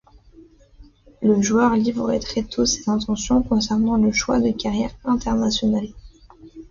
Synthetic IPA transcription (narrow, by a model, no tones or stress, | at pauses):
ləʒuœʁlivɔʁɛ̰t̪χɛt̪ʰuse̥zɛ̃t̪ɑ̃sjɔ̃kɔ̃sɛʁnɑ̃ləʃwa̰d̪əkaʁjɛʁɛ̃t̪ɛʁnasjɔnal